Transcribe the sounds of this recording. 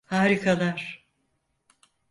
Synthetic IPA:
haːɾikʰalˠaɾ̥

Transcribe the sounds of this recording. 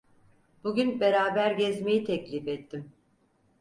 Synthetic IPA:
b̥uɟʲynbeɾaːbæɾɟɛzme̞jit̪ʰɛclʲifɛt̪ʰːim

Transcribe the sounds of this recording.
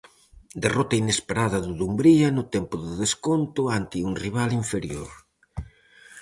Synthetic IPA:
d̪erɔt̪ɐinespeɾaðɐðuðumbɾiɐnʊt̪ɛmpʊðɪðeskont̪ʊant̪ɪuŋriβ̞aliɱfeɾjoɾ

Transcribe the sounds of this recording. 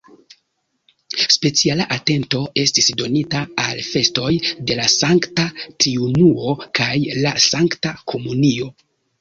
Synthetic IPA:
spe̞t͡sialaʔate̞nto̞e̞stisdo̞nitaːlfe̞sto̞jde̞lasaŋktatɾiunuo̞kʰajlasaŋktakʰo̞munio̞

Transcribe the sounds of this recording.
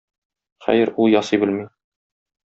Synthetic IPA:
χæ̰jɘɾulˠjɒsibɘ̆lmi

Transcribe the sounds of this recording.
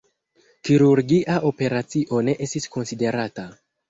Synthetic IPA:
kiɾuɾɡiʔaʔo̞pe̞ɾat͡siʔo̞ne̞ʔe̞stisko̞nside̞ɾata

